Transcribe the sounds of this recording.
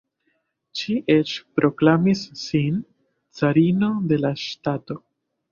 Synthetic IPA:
ʃiʔe̞t͡ʃpɾo̞klamisːin | t͡saɾino̞de̞laʃtato̞

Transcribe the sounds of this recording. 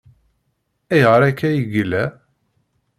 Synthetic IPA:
æjʁəɾˤækːæjəɡəlæ

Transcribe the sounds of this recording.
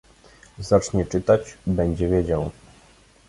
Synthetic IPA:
zat͡ʂɲɛt͡ʂɘt̪at͡ɕbɛɲd͡ʑɛvʲjed͡ʑaw

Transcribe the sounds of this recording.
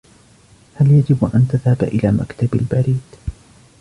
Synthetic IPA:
haljad͡ʒɪbʔant̪aðhabʔɪlaːma̰kt̪abalbaɾiːd̪̥

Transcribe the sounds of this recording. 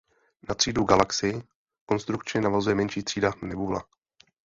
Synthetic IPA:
nat̪r̝̥iːduɡalaksɪɪ | ko̞nst̪ɾukt͡ʃɪnavazujɛmɛnʃiːt̪r̝̥iːdanɛbuːla̰

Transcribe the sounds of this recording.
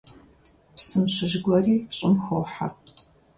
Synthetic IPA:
psɨmɕɪʒɡʷɐriːɕʼɪmxowħa̰r

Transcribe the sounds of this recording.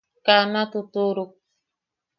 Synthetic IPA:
kanat̪ut̪uɾuk̚

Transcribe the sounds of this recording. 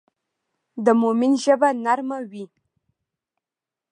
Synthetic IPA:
d̪əmominʒəbanaɾmawi

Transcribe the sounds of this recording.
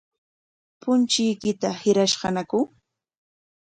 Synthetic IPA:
pʊnt͡ʃɪjkɪt̪ahɪɾaʃɢɑnakʊ

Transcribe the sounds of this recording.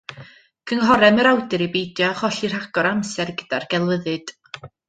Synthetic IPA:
kʰəŋɦɔɾɛməɾawdɨɾibejdjɔχɔɬir̥aɡ̥ɔɾamsɛrɡəd̥arɡɛlˠvəðɨd̥

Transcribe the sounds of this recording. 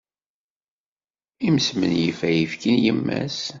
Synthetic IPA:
imsmə̰njəfæjifkənjəmːæ̰s

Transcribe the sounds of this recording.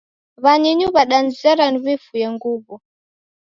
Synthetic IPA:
βaɲiɲuβaɗanzizaɾanuβifujɛŋɡuːβɔ

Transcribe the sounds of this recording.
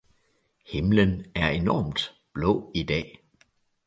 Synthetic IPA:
he̝mlənæɐe̝nɒ̰ːmd̥ | b̥lɔ̰̽ːid̥ɛ̰ː

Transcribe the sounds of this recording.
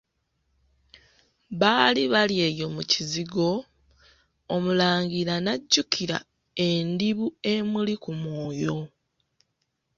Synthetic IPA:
βaːliβalje̞ːjo̞muciziɡo̞ | mulaːŋɟiɾanaɟːukʰiɾa̰ | e̞ndiβue̞mulikumoːjo̞

